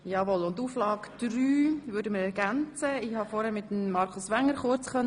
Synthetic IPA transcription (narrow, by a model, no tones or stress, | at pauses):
jɑːʋɔlʊntuːflɑːkd̪̥ɾyːʋʏːɾdəməɾɛɾɡænt͡səɪhɑfɔːɾhɛmɪt̪ːəm̩ːɑɾkʰʊsʋæŋːəɾχʊɾt͡sχœn